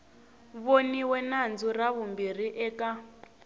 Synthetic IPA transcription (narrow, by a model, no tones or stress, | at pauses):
βoniwɛnand͡zuraβumbir̤iʔɛka